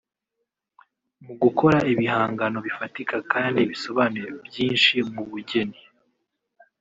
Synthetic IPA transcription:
muɡukʰo̞ɾaʔiβihaːŋɡano̞βifatikʰakaːndiβiso̞βaːnuɾebjiːnʃimuβuɟe̞ni

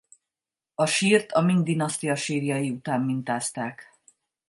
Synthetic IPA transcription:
ɒʃiːrt̪ʰɒmind̪inɒst̪ijɒʃiːrijɒjiut̪aːmːint̪aːst̪aːk

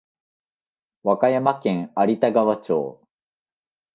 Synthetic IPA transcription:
βakajamakẽ̞ŋaɾʲit̪aɡaβat͡ɕo̰ː

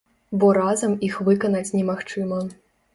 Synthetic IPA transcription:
bɔɾazɐmixvɨkɐnɐt͡sʲnʲɛmaxt͡ʂɨmɐ

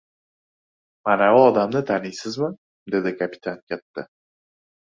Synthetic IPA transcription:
manaʊɒd̪amnat̪ʰanɪjsɪzmɪ | d̪e̞d̪ɪkʰapi̥t̪ʰankʲʰat̪ːɪ

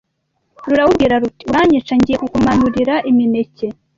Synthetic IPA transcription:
ɾuɾawubɡiɾaɾutiuɾaɲit͡ʃaɲɟijekukumanuɾiɾaʔimine̞ce̞

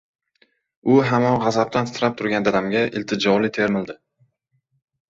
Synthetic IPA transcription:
ʊɦamɒnʁɑzap̚t̪ʰansɪɾap̚t̪ʰʊɾɡʲand̪ad̪amɡʲaʔɪlt̪ʰɪd͡ʒɒlɪt̪ʰe̞ɾmɪld̪ɪ

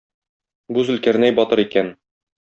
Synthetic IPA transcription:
buzɘ̆lkæɾnæjbɒt̪ɤɾikæn

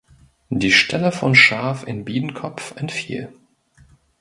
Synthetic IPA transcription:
diːʃtʰɛləfɔnʃaɐfɪnbiːdn̩kʰɔpfɛntfḭːl

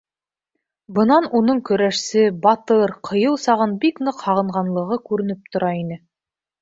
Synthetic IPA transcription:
bɤ̆nɑnunɤɴkɵ̆ɾæʃsɘbɑt̪ɤɾqʰɤ̆jɤlˠsɑʁɤnbiknɤqhɑʁɤ̆ɴʁɑnlˠɤ̆ʁɤkʉɾɘ̆nɘp̚t̪ŏɾɑinɘ

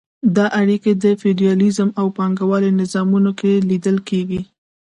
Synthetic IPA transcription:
d̪ɑʔaɽiked̪əfiɖijɑlizəmawpɑŋɡawɑlenɪzɑmunokelid̪əlkeɡi

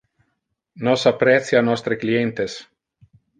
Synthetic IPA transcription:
nosapːɾɛt̪sjanɔst̪ɾeklient̪es

